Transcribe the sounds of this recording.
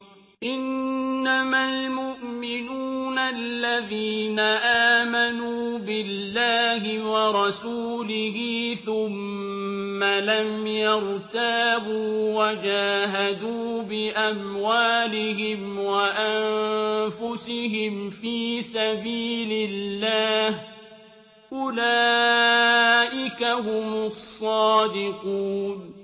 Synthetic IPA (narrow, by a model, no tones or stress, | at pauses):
ʔɪnːamalmʊʔmɪnuːnalːaðiːnaʔaːmanuːbɪlːaːɦɪwɑɾˤɑsuːlɪɦiθʊmː | alamjɑɾt̪aːbuwad͡ʒaːɦad̪uːbɪʔamwaːlɪɦɪmwaʔannfʊsɪɦɪmfiːsabiːlɪlːaːh | ʔʊlaː | ʔɪkaɦʊmʊsˤːɑːd̪ɪquːn